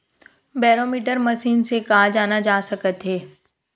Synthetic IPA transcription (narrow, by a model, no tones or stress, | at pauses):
bɛːɾoːmiːʈəɾməʃiːnsekaːd͡ʒaːnad͡ʒaːsɐkət̪ɦeː